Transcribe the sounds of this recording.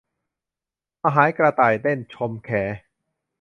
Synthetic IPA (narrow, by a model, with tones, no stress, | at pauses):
ʔa˧ɦaː˨˩˦jkɾa˧t̪aː˨˩jd̪e˥˩nt͡ɕʰo˧mkʰɛː˩˦